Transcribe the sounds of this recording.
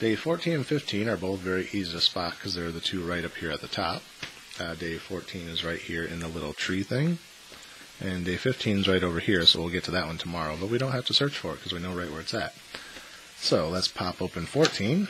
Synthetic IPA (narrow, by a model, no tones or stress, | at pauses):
d̥eɪfɔɹtʰĩnɨ̃nfɪftʰĩnə˞boʊθvɛɹiʔiziɨspɑkʰːʌzðə˞ðɨtʰʉɹaɪɾʌphiɹɨt̪̚ðɨtʰɑ̰p̚ | deɪfɔɹtʰĩnɨzɹaɪt̚hiɹɨ̰̃nðəlɪɾl̩ˠtʰɹ̥iθɪ̃ŋ | ʔɨ̃ndeɪfɪftʰĩnzɹaɪɾoʊvə˞hiɹsoʊwilˠɡɛtʰɨðɨʔ̚wʌ̃ntʰəmɑɹoʊbʌt̚wiɾõʊ̃n̚hæftɨsɜ˞t͡ʃfə˞ɨt̚kʰʌzwinoʊɹaɪʔ̚wə˞ɨtsæt̚ | soʊlətspʰɑpopɨ̃nfɔɹtʰĩn